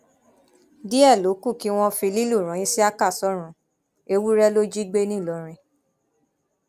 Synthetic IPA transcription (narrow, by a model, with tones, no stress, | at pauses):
di˦ɛ˦˨lo˨˦ku˦˨ki˨˦w̃ɔ̃˧fĩ˧li˦lu˦˨ɾ̃ã˨˦ĩ˦si˦a˦ka˦˨sɔ˨˦ɾ̃ũ˧˦ | e˧wu˦ɾɛ˦lo˦d͡ʒi˦ɡ͡be˦nĩ˦˨lɔ˨ɾ̃ĩ˧